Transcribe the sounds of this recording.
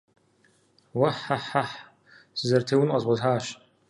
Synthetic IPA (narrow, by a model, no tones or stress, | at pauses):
wɐħaħaħ | sɨzɐrtʰeːwʊnqʷʼɐzʁʷɔzħaːʃ